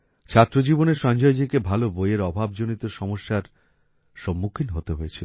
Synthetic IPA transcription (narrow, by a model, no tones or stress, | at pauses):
t͡ɕʰat̪ːɾod͡ʑiboneɾʃɔnd͡ʑɔed͡ʑikebʱalobojeɾɔbʱabd͡ʑonit̪oʃɔmoʃːaɾ | ʃomːukʰinɦot̪eɦojet͡ɕʰilo